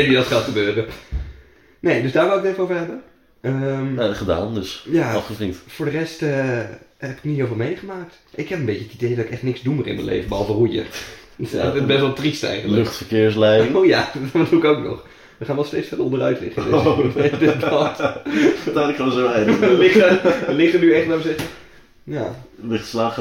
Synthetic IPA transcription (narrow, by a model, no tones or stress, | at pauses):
ʋidɔtχaːtχəbøːrə | nejdøsdaːɹʋɪlˠɪk̚ɪfəowvəɹɦɛbə | əmaχəda̰ːndəsjaɔfχəfriktfʊːɹdərɛstəhɛpɪ̥kniɦɪːlˠfɪːlˠmejχəmaːk̚t | ʔɪkhɛpənbeːcəətidejdɔtɪkɛχtnɪksdumərɪ̰nmə̰jnlḛjvəbəɦɔlˠvərujə̰ | əbɛstʋɛlˠtristɛ̰jχələøχtfəɹkɪəɹs̬lɛjɪŋojadtʋəduɪkowknɔ̰χ | ʋəχaːnʋɛlˠsteːt͡sfɛləɔ̃ndərœ̰ɥtlɪ̰χə | dɪbɔt | taːnɪkonsoɛjdəlɪχəəlɪχənyɛχtʋaːʋəsɛχə | jaːlɪχtslaːχ